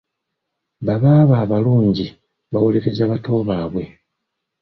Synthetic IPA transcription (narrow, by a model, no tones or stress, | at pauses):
βaβaːβaːβaluːɲɟi | βawole̞ɾe̞zaβato̞ːβaːβwe̞